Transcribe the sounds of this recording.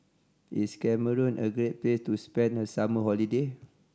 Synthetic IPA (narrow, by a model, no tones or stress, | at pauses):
ʔḭtskɛməɹɔ̃nʔəɡɹet̚plestuspɛ̃ndhəsaməɦɔlide